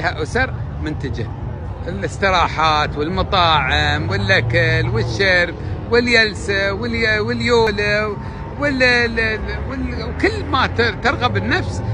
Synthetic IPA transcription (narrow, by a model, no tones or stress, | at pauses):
haʔʊsɑɾˤ | mʊnt̪ad͡ʒa | ʔɪlɪsˤt̪ɨɾˤɑːħaːt̪wɪlmɑt̪ˤɑːʕɪmwɪlʔakalwɪʃːɪɾbwɪljalsawɪlwɪljoːlaw | wɪl | wɪl | wkɪlːmat̪t̪ɪɾˤɣabɪnːafs